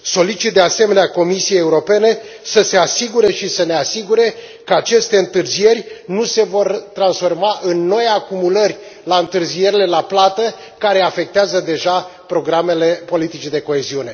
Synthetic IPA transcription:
so̞lit͡ʃit̪̚d̪e̞ase̞me̞neako̞misijejeuɾo̞pe̞ne̞ | səse̞asiɡuɾe̞ʃisəne̞asiɡuɾe̞ | kəat͡ʃe̞st̪e̞ɨnt̪ɨrzije̞rʲnuse̞vo̞rt̪ɾansfo̞rmaʔɨnːo̞jakumulərʲ | laɨnt̪ɨrzije̞ɾile̞laplat̪ə | kaɾe̞afe̞k̚t̪eazəd̪e̞ʒapɾo̞ɡɾamele̞po̞lit̪it͡ʃid̪e̞ko̞e̞ziune̞

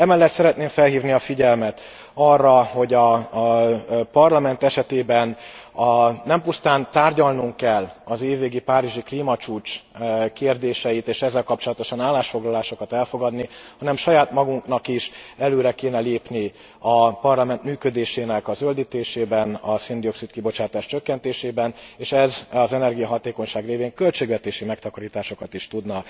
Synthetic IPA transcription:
ɛmɛlːɛt̪sɛɾɛt̪neːɱfɛlɦiːvniɒfiɟɛlmɛt̪ | ɒrːɒho̞ɟɒ | pɒrlɒmɛn̪t̪ɛʃɛt̪eːbɛnɒnːɛmpust̪aːnt̪aːrɟɒlnuŋkːɛlːɒzeːvːeːɡipaːɾiʒikliːmɒt͡ʃuːt͡ʃkeːrd̪eːʃɛjit̪eːʃɛzːɛlkɒpt͡ʃo̞lɒt̪o̞ʃɒnaːlːaːʃfo̞ɡlɒlaːʃo̞kɒt̪ɛlfo̞ɡɒd̪nihɒnɛmʃɒjaːt̪mɒɡuŋknɒkiʃɛløːɾɛkeːnɛleːpni | ɒpɒrlɒmɛnt̪myːkø̞d̪eːʃeːnɛkɒzøld̪it̪eːʃeːbɛnɒsind̪io̞ksit̪kibo̞t͡ʃaːt̪aːʃt͡ʃø̞kːɛnt̪eːʃeːbɛneːʃɛzɒzɛnɛrɡijɒɦɒt̪eːkoɲʃaːɡreːveːŋkø̞lt͡ʃeːɡʋɛt̪eːʃimɛkt̪ɒkɒɾiːt̪aːʃo̞kɒt̪iʃt̪ud̪nɒ

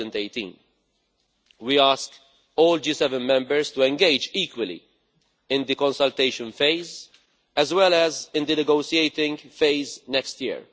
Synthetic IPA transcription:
ɛ̃nt̪eɪt̪ḭ̃ːn | wiaːsk | ɔːld͡ʒiːsɛvɛ̃nmɛ̃mbəɹst̪uɛ̃ŋɡeɪd͡ʒiːkwəlḭ | ɪ̃nd̪ikɔ̃nsɐlt̪eɪʃə̃nfeɪz | ɛzwɛlɛzɪ̃nd̪ɨnɛɡoːʃieɪt̪ɪ̃ŋɡfeɪznɛkst̪jɪ̰ɹ

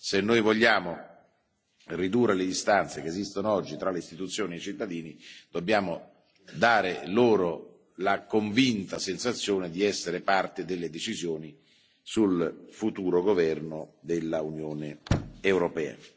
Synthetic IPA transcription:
senːojvoʎːaːmo | rid̪uːrːeled̪ist̪ant̪sekeːzist̪onoɔd͡ʒːit̪ɾaleist̪it̪ut̪sːjoːniet͡ʃit̪ːad̪iːnid̪̥obːjaːmo | d̪aːɾeloːɾo | lakoɱvint̪asensat̪sːjoːned̪iɛsːeɾepart̪ed̪elːed̪et͡ʃizjoːni | sulfut̪uːɾoɡovɛrnod̪elːaunjoːneewɾopɛːa̰

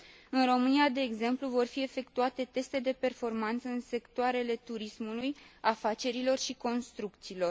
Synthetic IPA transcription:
ɨnro̞mɨniad̪e̞ːɡze̞mpluvo̞rfie̞fe̞kt̪uat̪e̞t̪e̞st̪e̞d̪e̞pe̞rfo̞rmant̪səɨnse̞kt̪oaɾe̞le̞t̪uɾismulujafat͡ʃe̞ɾilo̞rʃiko̞nst̪ɾukt̪siːlo̞r

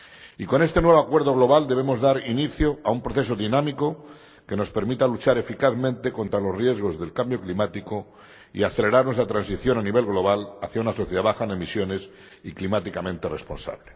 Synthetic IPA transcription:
iko̞ne̞st̪enwe̞βakwe̞ɾðo̞ɣ̞lo̞β̞ald̪e̞βe̞mo̞zðaɾiniθjoaumpɾo̞θe̞soðinãmiko̞ | ke̞no̞spe̞ɾmit̪alut͡ʃaɾe̞fikaθmẽnt̪e̞ko̞nt̪ɾalo̞srje̞zɣ̞o̞zðe̞lkambjo̞klimat̪iko̞ | ḭaθe̞le̞ɾaɾnwe̞st̪ɾat̪ɾansiθjo̞naniβ̞e̞lɣlo̞β̞alaθjaunasoθjeð̞aβaxanemisjo̞ne̞s | iklimat̪ikamẽnt̪ere̞spo̞̰nsa̰βle

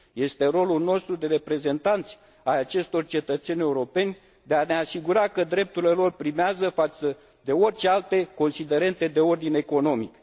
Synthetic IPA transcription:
je̞st̪e̞ɾo̞lulno̞st̪ɾud̪e̞ɾe̞pɾe̞ze̞nt̪ant̪sʲ | ajat͡ʃe̞st̪o̞rt͡ʃe̞t̪ət̪se̞nʲe̞uɾo̞pe̞nʲ | d̪e̞ane̞asiɡuɾakəd̪ɾe̞p̚t̪uɾile̞lo̞rpɾimeazəfat̪sə | d̪e̞o̞rʲt͡ʃe̞alt̪e̞ko̞nsid̪e̞ɾe̞nt̪e̞d̪e̞o̞rd̪ine̞ko̞no̞mḭk

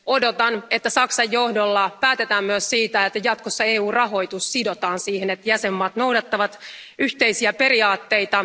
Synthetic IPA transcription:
o̞do̞t̪ɑnet̪ːæsɑksɑjːohdolːɑpæːt̪e̞t̪æːmmyøssiːt̪æet̪ːæjɑt̪kosːɑe̞ːuːrɑɦo̞jt̪ussido̞t̪ɑːnsiːhenet̪jæsemːɑːt̪no̞wdɑt̪ːɑʋɑt̪yht̪e̞jsiæpe̞ɾiɑːt̪ːe̞jt̪ɑ

